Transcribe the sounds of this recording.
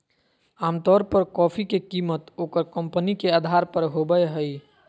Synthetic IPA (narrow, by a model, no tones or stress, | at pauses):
aːmt̪ɔːɾpəɾkɔːpʰikekiːmət̪oːkəɾkə̃mpənikeaːd̪ʱaːɾpəɾɦobəjɦəi